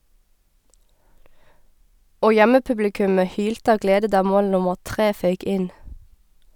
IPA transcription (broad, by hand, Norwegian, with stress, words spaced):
ˈoː ˈjɛməˌpʉblɪˌkʉmə ˈhyːltə ˈɑːʋ ˈɡleːdə ˈdɑː ˈmoːl ˈnʊməʁ ˈtʁeː ˈfœʏk ˈʔɪn